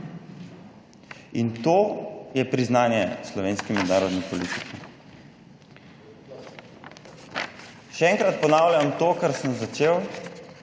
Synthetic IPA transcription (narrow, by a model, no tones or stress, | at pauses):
int̪oːjɛpɾiznaːnjɛslɔʋeːnskɛmɛd̪naːɾɔd̪nipɔlit̪ikʰi | ʃɛɛːŋkɾat̪̚pɔnaːwljamt̪oːkaɾsəmzat͡ʃeːw